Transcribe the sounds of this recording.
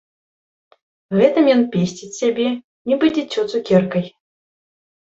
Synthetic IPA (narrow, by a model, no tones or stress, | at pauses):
ɣɛt̪ɨmjɔnpʲesʲt͡sʲit͡sʲsʲabʲɛ | nʲibɨd͡zʲɛt͡sʲːɔt̪sukʲɛrkɐj